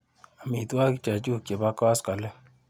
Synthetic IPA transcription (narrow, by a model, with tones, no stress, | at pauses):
a˨mi˨t̪wa˦kt͡ʃa˨t͡ʃu˦ke˨ba˦kɔ˦ska˨lɛ˦